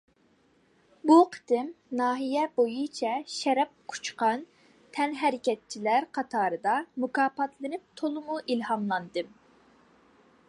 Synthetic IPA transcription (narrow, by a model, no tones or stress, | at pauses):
buqʰə̥t̪ɪmnɑːɦijɛbojut͡ʃʰɛʃɛɾɛp̚qʰu̥t͡ʃqɑn | t̪ʰɛnɦɛɾɪkʲɛt̪̚t͡ʃʰilæɾqʰɑt̪ʰɑːɾɨd̪ɑmukɑːpɑt̪ʰlˠɨnɪp̚t̪ʰolˠɨmuʔilhɑmlˠɑnd̪ɨm